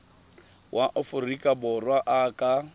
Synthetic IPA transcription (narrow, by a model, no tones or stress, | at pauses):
wʔaʔɔfʊrikʼabʊrwaʔakʼa